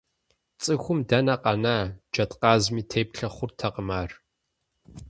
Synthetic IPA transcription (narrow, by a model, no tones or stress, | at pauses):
t͡sʼɨxʷʊmdɐnɐqɐnaːd͡ʒɐtʼqɑːzmiːtʰeːpɬɐχʷʊrtʰɐqəmaːr